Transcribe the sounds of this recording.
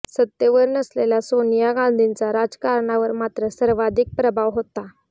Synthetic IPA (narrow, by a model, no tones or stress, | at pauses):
sət̪ːjeʋəɾnəslelasonijaɡãnd̪ʱint͡saɾad͡zkaɾɳaʋəɾmat̪ɾəsəɾʋad̪ʱik̚pɾəbʱaʋɦot̪a